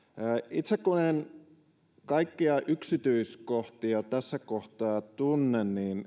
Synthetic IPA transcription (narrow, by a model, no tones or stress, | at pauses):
əːʔit̪sekkunen | kɑikːiɑʔyksit̪yiskoht̪iɑt̪æsːækoht̪ɑːt̪unːenniːn